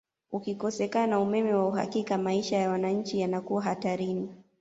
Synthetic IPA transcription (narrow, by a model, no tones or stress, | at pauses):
ukikɔsɛkanaumɛmɛwauɦa̰kikamaiʃajawanaɲ̩t͡ʃijanakuwaɦataɾini